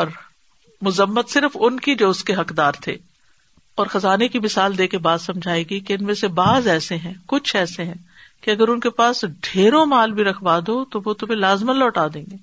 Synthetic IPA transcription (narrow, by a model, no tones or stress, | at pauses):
ɔːɾ | mʊzəmːət̪sɪɾfʊnkid͡ʒoːʊskeɦɐkd̪aːɾt̪ʰḛː | ɔːɾxɐzaːnekimɪsaːld̪eːkebaːd̪sɐ̃md͡ʒʱaːeːɡikeɪnmẽsebaːzɛːseɦɛ̃ːkʊt͡ʃʰɛːseɦɛ̃ː | keɐɡəɾʊnkepaːsɖʱeːɾõmaːlbʱiɾɐkʰʋaːd̪oːt̪oʋot̪ʊmẽlaːzmənlɔːʈaːd̪ẽːŋɡeː